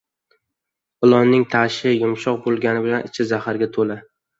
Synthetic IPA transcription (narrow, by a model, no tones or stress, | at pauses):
ʊlˠɒnːɪŋt̪ʰaʃɪjʊmʃɒq̚bolˠɡʲanɪbɪlanɪt͡ʃʰɪzahaɾɡʲat̪ʰola